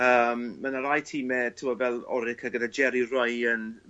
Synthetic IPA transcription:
əːmːənaɾajtʰiːmɛtʰɪwɔvɛlˠɔ̰ɾɪkʰaɡədad͡ʒɛɾirɔjən

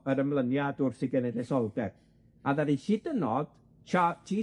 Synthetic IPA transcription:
əɾəmlˠənjadʊrθɪɡɛnɛdɛsɔlˠdɛr | aðaɾiɬidənɔd̥ | t͡ʃʰatʰiː

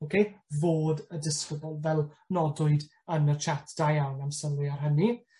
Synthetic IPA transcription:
okʰejvoːdədɪsfədɔlˠvɛlˠnɔdʊɨd | ənət͡ʃʰatʰd̥ajawnamsəlˠʊarɦəni

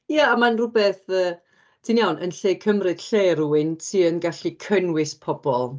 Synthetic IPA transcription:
jaamanrʊbɛθəː | d̥injawnʔənɬeːkʰəmrɨd̥ɬeːruwɪntʰiːənɡaɬikʰənwɪspʰɔb̥ɔlˠ

